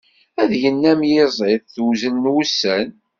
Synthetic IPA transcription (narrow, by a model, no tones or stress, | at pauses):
æðjənːæmjɪzˤɪðθwzənːwusːæn